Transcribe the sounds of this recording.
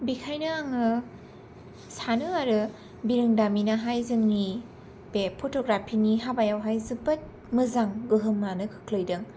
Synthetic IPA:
bikʰajnɯaŋɯ | sanɯaɾɯ | biɾɯŋdaminaɦajzɯŋni | b̥epʰotʰoɡɾapʰiniɦabajawɦajzɯbɯt̚ | mɯzaŋɡɯɦɯmnanɯkʰɯ̥kʰlɯjdɯŋ

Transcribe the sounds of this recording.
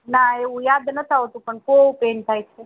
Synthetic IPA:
naeʋũjad̪nət̪ʰaɦot̪ũpəɳkoʋũpent̪ʰajt͡ʃʰe

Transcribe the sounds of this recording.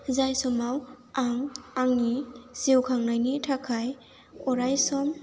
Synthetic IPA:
zajsɔmaw | aŋaŋnisiwkʰaŋnajnitʰakʰaj | ɔɾajsɔm

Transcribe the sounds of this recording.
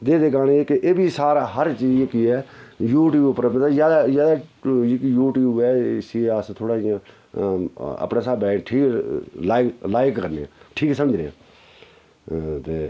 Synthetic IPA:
d̪eːd̪eːɡaːñeekeʔeːbʱisaːɾaːɦəɾt͡ʃiːd͡ʒkiːɛːjuːʈiːpəɾmt̪azaːd̪aːzaːd̪aːkjuːʈiːɛːsiaːst̪ʰoːɽaːiã | ə̰pnaːsaːbɛːʈʰiːklaːklaːɪkːəɾnḛãːʈʰiːkːs̬əməd͡ʒneːã̰ː | t̪eː

